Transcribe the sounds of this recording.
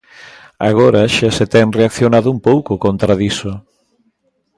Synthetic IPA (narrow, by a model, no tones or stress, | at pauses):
aɣoɾaʃaset̪ɛŋreakθjonaðʊumpowkʊkont̪ɾaðisʊ